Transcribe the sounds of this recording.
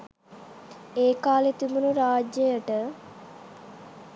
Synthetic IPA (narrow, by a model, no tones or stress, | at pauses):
eːkaːlet̪umunuɾaːd͡ʒjəjəʈə